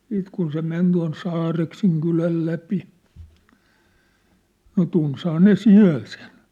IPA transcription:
siːt kun se men tuɑ̝n sɑːrekseŋ kylæl læpi no tunshɑː ne siæ̝l sen

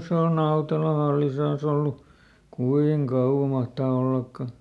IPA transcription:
se on nɑutelɑ hɑlːisɑn olːu kuiŋ kɑuwɑ mɑhtɑː olːɑkːɑ

